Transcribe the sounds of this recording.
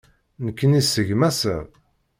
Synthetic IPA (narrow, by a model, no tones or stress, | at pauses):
nəkːənisəʝmæsə̰ð